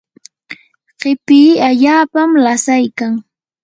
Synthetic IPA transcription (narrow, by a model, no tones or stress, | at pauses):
ɢɪpɪːaʎaːpamlasajkaŋ